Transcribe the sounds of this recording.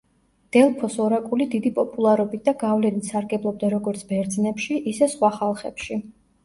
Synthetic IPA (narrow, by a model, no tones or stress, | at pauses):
d̪̥ɛlˠpʰɔsɔɾakʼulid̪id̪ipʼɔpʼulˠaɾɔbit̪̚d̪aɡavlɛnit̪ʰsaɾɡɛblˠɔb̚d̪aɾɔɡɔɾt̪sʰbɛɾd̪znɛpʃiʔisɛsχwaχalˠχɛpʃi